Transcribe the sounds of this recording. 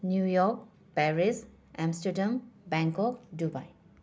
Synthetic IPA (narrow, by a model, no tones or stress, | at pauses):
njujɔk̚ | pɛɾis | ʔɛ̃mstədambɛ̃ŋkɔk̚duba̰j